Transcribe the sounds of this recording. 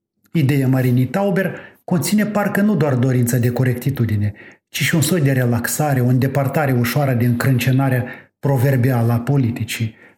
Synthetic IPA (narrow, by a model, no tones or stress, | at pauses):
id̪e̞jamaɾinijt̪awbe̞rko̞nt̪sine̞parkənud̪oard̪o̞ɾint̪səd̪e̞ko̞ɾe̞kt̪it̪ud̪ine̞ | t͡ʃiʃiunsot̪ʲd̪e̞ɾe̞laksaɾe̞ond̪e̞part̪aɾe̞uʃoaɾəd̪e̞ɨŋkɾɨnt͡ʃe̞naɾeapɾo̞ve̞rbialəapo̞lit̪it͡ʃi